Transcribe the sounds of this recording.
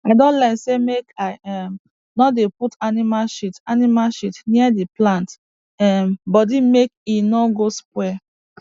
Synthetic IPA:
aɪdɔ̃nlaɪnsemekaɪɛm | nɔdeputanimalʃitanimalʃitniadeplãnt | ɛmbɔdimek̚inɔɡoskwɛ

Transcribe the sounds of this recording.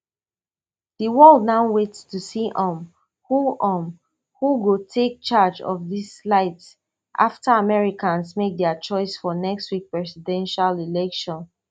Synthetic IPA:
ðiwɔldnaʊwetstusiʔɔ̃m | huʔɔ̃m | huɡotʰek̚t͡ʃad͡ʒɔ̰vðislaɪts | ʔa̰ftəamɛɹikãnsmek̚dɛət͡ʃɔɪsfɔnɛkstwik̚pɹɛsidɛ̃nʃalilɛkʃɔ̃n

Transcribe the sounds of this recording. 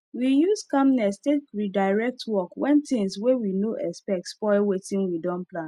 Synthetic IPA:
wijuskãmnɛstekɹidaɪɹɛk̚tʰwɔkwɛ̃ntĩŋswewinoʔɛspɛk̚tspɔɪlwetĩnwidɔ̃nplãn

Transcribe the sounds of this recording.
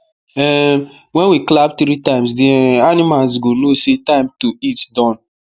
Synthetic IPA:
ɛ | wɛ̃nwiklab̚tɾitãɪ̃ms̬deanimals̬ɡonosetaɪ̃mtoitdɔ̃n

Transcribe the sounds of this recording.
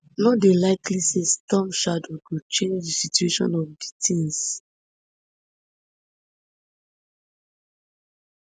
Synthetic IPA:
nɔtdelaɪklisestɔ̃mʃadwiɡot͡ʃẽnd͡ʒdisitueʃɔ̰̃nɔfditʰĩŋs

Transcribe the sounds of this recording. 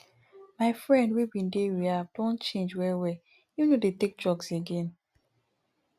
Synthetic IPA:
maɪfɹɛ̃ndwibĩndewiavdɔ̃nt͡ʃẽnd͡ʒwɛwe | junodetek̚d͡ʒɔɡseɡẽn

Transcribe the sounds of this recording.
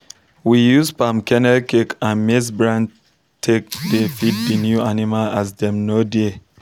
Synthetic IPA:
wijuzpamkɛ̃nɛlkekãnmis̬bɹãn | tʰek̚defit̚dinjuanimalazdɛ̃mnode

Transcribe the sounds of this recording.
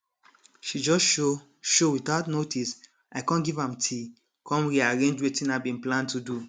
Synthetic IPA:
ʃid͡ʒɔsʃo | ʃowiθaʊtnotʰis | aɪkãnɡivãmtʰi | kʰɔ̃mɹiaɹẽnd͡ʒwetĩnaɪbĩnplãntʰudu

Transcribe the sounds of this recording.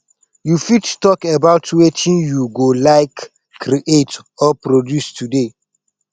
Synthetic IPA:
jufittɔkebaʊtwetʰĩnjuɡolaɪkː | ɾiʔetɔpɾodjustude

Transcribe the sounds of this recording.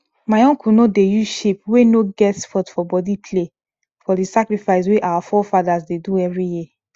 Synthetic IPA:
maɪɔ̃ŋkʰunodejuʃepwenoɡɛtsfɔtfɔbɔdipʰle | fɔdisakɾifaɪs̬weʔawafɔfadazdeduɛvɹiji

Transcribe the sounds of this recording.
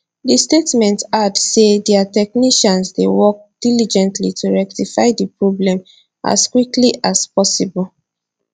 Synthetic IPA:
distetmɛ̃ntadsedɛatɛkniʃãnsdewɔk̚d̥ilid͡ʒɛ̃ntʰlitʰuɹɛk̚tifaɪdipɹɔblɛ̃m | a̰skwikliʔaspɔsibɔl

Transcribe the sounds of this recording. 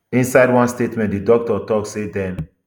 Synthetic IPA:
ĩnsaɪdwãnstetmɛ̃ntdidɔk̚tɔtɔksedɛ̃n

